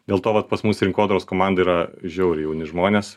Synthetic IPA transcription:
d̪ʲeːlˠt̪oːʋɐt̪pɐsmusɾʲɪŋkoːd̪ɐɾoːskoːmɑnd̪ɐiːɾɐʒʲɛʊɾʲɪjɛʊnʲɪʒmoːnʲes

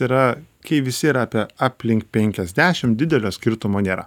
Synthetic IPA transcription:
iɾɐkɐɪʋʲɪsʲɪiːɾɐɑːpʲiɛɑːpʲlʲɪŋkpʲɛŋʲkʲɛzʲd̪ʲæːʃʲɪmd̪ʲɪd̪ʲɛlʲoːsʲkʲɪɾt̪ʊmoːnʲeːɾɐ

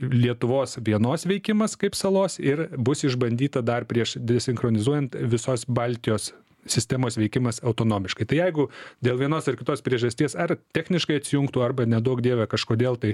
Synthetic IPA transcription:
lʲiɛt̪ʊʋoːsʋʲiɛnoːsʋʲɛɪkʲɪmɐskɐɪpsɐlˠoːsɪrbʊsɪʒbɐnʲdʲiːt̪ɐd̪ɐrpʲɾʲiɛʃd̪ʲesʲɪŋxɾoːnʲɪzuɔjɛnt̪ʋʲɪsoːsbɐlʲt̪ʲɪjoːs | sʲɪsʲt̪ʲæmoːsʋʲɛɪkʲɪmɐsɐʊt̪oːnoːmʲɪʃkɐɪt̪ɐɪjɛɪɡʊd̪ʲeːlˠʋʲiɛnoːsɪrkʲɪt̪oːspʲɾʲiɛʒɐsʲt̪ʲiɛsɐrt̪ʲæxʲnʲɪʃkɐɪɐt̪ʲsʲɪjʊŋkt̪uːɐrbɐnʲɛd̪oːkdʲeːʋʲɛkɐʃkoːd̪ʲeːlˠt̪ɐɪ

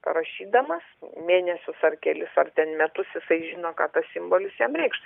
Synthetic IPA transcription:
ɾɐʃʲiːd̪ɐmɐsmʲeːnʲɛsʲʊsɐrkʲɛlʲɪsɐrt̪ʲɛnmʲɛt̪ʊsjɪsɐɪʒʲɪːnoːkɑːt̪ɐssʲɪmboːlʲɪsjɛmɾʲɛɪkʃt̪

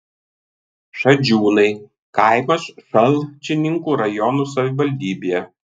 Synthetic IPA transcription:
ʃɐd͡ʒʲuːnɐɪ | kɑˑɪmɐsʃɐlʲˠt͡ʃʲɪnʲɪŋkuːɾɐjɔnuːsɐʋʲɪʋɐlʲd̪ʲiːbʲejɛ

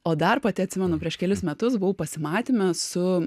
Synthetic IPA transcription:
oːd̪ɐrpɐt̪ʲɪɐtʲsʲɪmʲɛnʊpʲɾʲiɛʃkʲɛlʲɪsmʲɛt̪ʊsbʊʊpɐsʲɪmɑːt̪ʲɪmʲɐsʊ

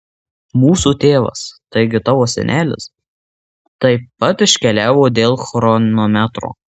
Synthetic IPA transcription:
muːsuːt̪ʲeːʋɐ̰st̪ɐɪɡʲɪt̪ɑːʋoːsʲɛ̰nʲʔæːlʲɪ̰s | t̪ɐɪpɐt̪ɪʃʲkʲɛlʲæːʋoːd̪ʲeːlˠxɾɔnomʲæt̪ɾo̰ː

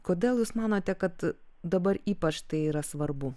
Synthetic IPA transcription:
koːd̪ʲeːlˠjuːsmɑːnoːt̪ʲɛkɐt̪ | d̪ɐbɐɾiːpɐt͡ʃt̪ɐɪiːɾɐsʋɐɾbʊ

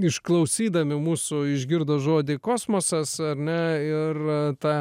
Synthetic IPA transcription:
ɪʃklˠɐʊsʲiːd̪ɐmʲɪmuːsʊɪʒʲɡʲɪrd̪oːʒoːd̪ʲɪkoːsmoːsɐsɐrʲnʲɛɪrt̪ɑ

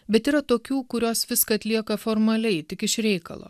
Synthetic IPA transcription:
bʲɛt̪iːɾɐt̪oːkʲuːkʊɾʲoːsʋʲɪskɐɐt̪ʲlʲiɛkɐfoːɾmɐlʲɛɪt̪ʲɪkɪʃɾʲɛɪkɐ̰lˠo̰ː

